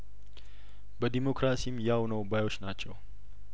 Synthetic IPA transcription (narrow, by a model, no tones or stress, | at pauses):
bəd̪imokɾasimjawnəwbajot͡ʃːnat͡ʃːɛw